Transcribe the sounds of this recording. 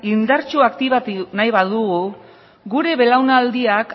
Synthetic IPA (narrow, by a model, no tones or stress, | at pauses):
ind̪aɾt͡ʃuakt̪iβat̪najβaðuɣu | ɡuɾe̞βe̞lawnald̪iak